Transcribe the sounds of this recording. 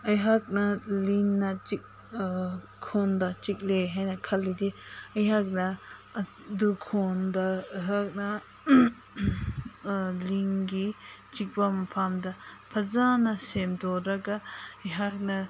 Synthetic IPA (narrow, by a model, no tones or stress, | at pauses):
ɐjɦak̚nalinːat͡ʃik̚ | kʰond̪at͡ʃik̚leɦajnakʰɐlːid̪iɐjɦak̚na | dukʰondaɦak̚na | liŋɡit͡ʃik̚bamɐpʰamd̪apʰɐzanasemdɔɾakaɐjɦak̚na